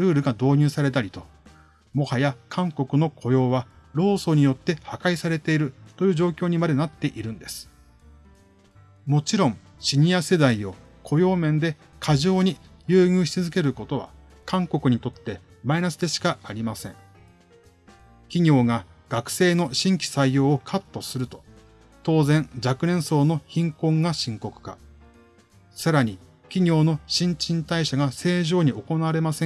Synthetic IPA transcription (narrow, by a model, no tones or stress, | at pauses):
ɾɯ̟ːɾɯ̟ɡad̪o̞ːɲ̟ɨːsaɾe̞t̪aɾʲit̪o̞ | mo̞hajakʰãŋko̞kɯ̟no̞kʰo̞jo̞ːβaɾo̞ːso̞ːɲ̟ijo̞t̪ːe̞hakaisaɾe̞t̪e̞iɾɯ̟t̪o̞jɯːʑo̞ːkʲo̞ːɲ̟imad̪e̞nat̪ːe̞ʔiɾɯ̟̃nd̪e̞sɨ̥ | mo̞t͡ɕiɾõ̞ŋ | ɕiɲ̟iase̞d̪aio̞ | kʰo̞jo̞ːmẽ̞nd̪e̞ | kʰaʑo̞ːɲ̟ijɯ̟ːɲʲɯːçi̥t͡sɨzɨke̞ɾɯ̟ko̞t̪o̞β̞a̰ | kãŋko̞kɯ̟ɲ̟it̪o̞t̪ːe̞ | mainasɨd̪e̞ɕi̥kaaɾʲimasẽ̞ŋ | kʲiɲ̟ʲo̞ːɡaɡ̥akɯ̟̥se̞ːno̞ɕĩŋkʲi̥saijo̞ːkʰat̪ːo̞sɨɾɯ̟t̪o̞̥ | t̪o̞ːzẽ̞nd͡ʑakɯ̟ɾẽ̞ɰ̃so̞ːno̞çĩŋkõ̞ŋɡaɕĩŋko̞kɯ̟̥ka̰ | saɾaɲ̟i | kʲiɲ̟ʲo̞ːno̞ɕĩɲ̟t͡ɕĩnt̪aiɕaɡase̞ːʑo̞ːɲ̟io̞ko̞naβaɾe̞masẽ